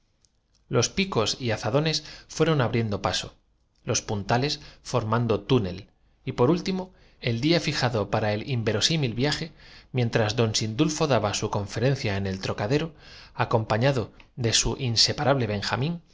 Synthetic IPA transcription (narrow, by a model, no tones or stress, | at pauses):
lo̞spiko̞siaθaðo̞ne̞sfwe̞ɾo̞naβɾje̞nd̪opaso̞ | lo̞spunt̪ale̞sfo̞ɾmãnd̪o̞t̪une̞̰l | ipo̞ɾult̪imo | e̞ld̪iafixaðo̞paɾae̞limbe̞ɾo̞similβjaxe̞mjẽ̞nt̪ɾazd̪o̞nsind̪ulfo̞ðaβasuko̞ɱfe̞ɾẽ̞n̟θjaene̞lt̪ɾo̞kaðe̞ɾo̞ako̞mpaɲaðo̞ðe̞suʔinse̞paɾaβle̞βe̞ŋxamĩn